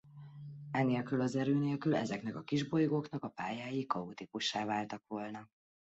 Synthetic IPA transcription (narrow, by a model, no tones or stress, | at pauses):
ɛneːlkylɒzɛɾøːneːlkylɛ̰zɛkn̪ɛkɒkiʒbo̞jɡoːknɒkɒpaːjaːjikɒut̪ipuʃːaːvaːlt̪ɒkʋo̞lnɒ